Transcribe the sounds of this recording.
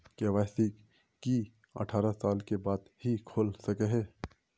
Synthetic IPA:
keʋaːsik | ki | ə̰ʈʰaːɾasaːlkebaːd̪hikʰoːlsɐkeɦeː

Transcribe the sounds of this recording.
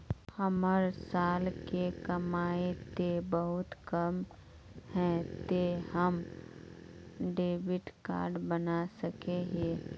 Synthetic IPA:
həməɾsaːlkekɐmaːet̪ebəɦʊt̪kəm | hɛ̃t̪ehəm | ɖeːbɪʈka̰ːɾɖbənasəkeɦe

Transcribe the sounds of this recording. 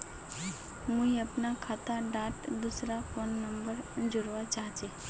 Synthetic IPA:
mʊɦiɐpnakʰaːt̪aɖaːʈd̪usɾafoːnːɐ̃mbəɾd͡ʒʊɾʋat͡ʃaːɦt͡ʃeː

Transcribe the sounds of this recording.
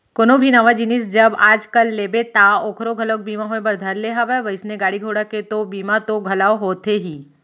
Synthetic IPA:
konobʱinaʋad͡ʒinɪsd͡ʒɐbaːd͡ʒkəlːeːbet̪aoːkʰɾoɡʱɐloːk̚biːmaɦoːebɐɾd̪ʱəɾleɦaʋaʋəɪsneɡaːɽiɡʱoːɽaket̪obiːmat̪oɡʱɐlaːoɦoːt̪eɦiː

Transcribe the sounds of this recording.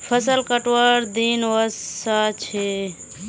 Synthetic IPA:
pʰəsəlkəʈwəɾd̪inwəsat͡ʃʰe

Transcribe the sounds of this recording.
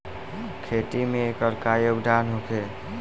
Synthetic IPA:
kʰeʈ̪imẽekəɾkajoɡd̪aːnɦokʰe

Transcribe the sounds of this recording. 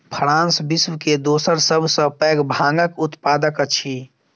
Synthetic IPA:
pʰəɾãːnsbiswked̪oːsəɾsəbʱsə̃pɛːɡbʱãːŋɡəkʊt̪paːd̪əkət͡ʃʰi

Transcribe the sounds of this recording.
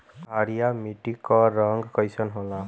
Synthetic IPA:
aɾijamiʈikɔɾʌŋɡkʌjsʰʌnɦola

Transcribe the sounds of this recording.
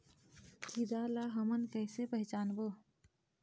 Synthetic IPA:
kʰid̪alaɦəmənkəɦsepəɦɪt͡ʃaːnbo

